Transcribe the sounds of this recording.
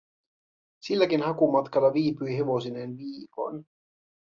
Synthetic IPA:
silːækinhɑkumɑt̪kɑlːɑʋiːpyjɦe̞ʋo̞sinenʋiːko̞̰n

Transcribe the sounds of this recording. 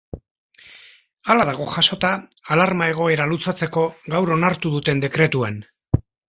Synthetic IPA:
alaðaɣ̞o̞ʝaso̞t̪aːlaɾmae̞ɣ̞o̞e̞ɾalut͡sat͡se̞ko̞ɣawɾo̞naɾt̪uðut̪e̞nd̪e̞kɾe̞t̪uan

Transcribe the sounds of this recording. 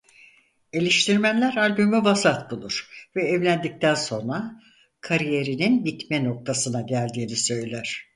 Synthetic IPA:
e̞lʲiʃt̪ʰiɾmænlʲæɾalʲbymyvasat̪bulˠuɾ̥vɛːvlʲænd̪ic̚t̪ʰænso̞nɾa | kʰaɾije̞ɾininbit̪mɛno̞k̚t̪ʰasɯnaɟælʲd̪iːnisø̞jlʲæɾ̝̥

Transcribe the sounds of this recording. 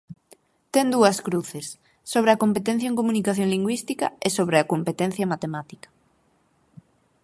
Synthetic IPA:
t̪end̪uɐskɾuθesː | oβɾeɐkompet̪ẽn̟θjɐeŋkomũnikaθjõŋliŋɡwist̪ikɐ̰esoβ̞ɾeɐkompet̪ẽn̟θjɐmat̪emat̪i̥kɐ̥

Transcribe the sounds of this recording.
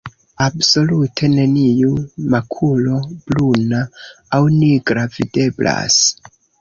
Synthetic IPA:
abso̞lutʰe̞ne̞nijumakʰulo̞b̥lunaː | wniɡɾavide̞bla̰s

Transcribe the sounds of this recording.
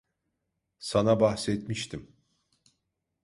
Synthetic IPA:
sanabaxsɛt̪miʃt̪ʰim

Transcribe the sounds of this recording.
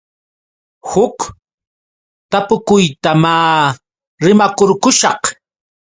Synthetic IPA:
hʊk | t̪apʊkʊjt̪amaː | ɾɪmakoɾkʊʃɑq

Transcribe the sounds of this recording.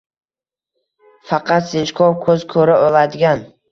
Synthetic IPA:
fɑqʰɑt̪set͡ʃkʰɒɾkʰɵzkʰɵɾaʔɒlad̪ɪɡʲan

